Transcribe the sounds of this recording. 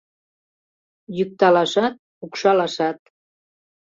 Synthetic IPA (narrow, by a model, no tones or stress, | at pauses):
jyk̚t̪ɑlɑʃɑt̪̚ | ukʃɑlɑʃɑt̪̚